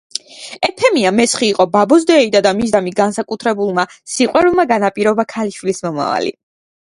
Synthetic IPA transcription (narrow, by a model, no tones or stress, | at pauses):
ɛpʰɛmiamɛsχiːqʼɔbabɔzd̪ɛid̪ad̪amizd̪amiɡansakʼut̪ʰɾɛbulˠmasiqʼwɛɾulˠmaɡanapʼiɾɔbakʰaliʃwilismɔma̰va̰lḭ